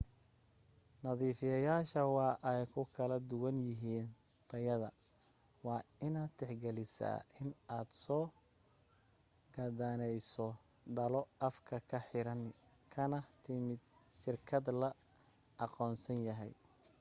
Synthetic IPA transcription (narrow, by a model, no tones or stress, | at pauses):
nɐðiːfɪjɐjaːʃɐwɑːʔɛjkʰʊkʰɐlɐd̪ʊwɐnjɪɦiːn | t̪ʰɐjɐðɐ̰ | wɑːɪnaːd̪t̪ʰɛħɡɛlɪsa̰ːʔɪnaːd̪sɔː | ɡɐd̪aːnɛjsɔ | ɖɐlɔɐfkʰɐkʰɐħɪɾɐn | kʰɐnɐt̪ʰɪmɪd̪ʃɪrkʰɐd̪lɐ | ɑqɔːnsɐnjɐɦɛ̰j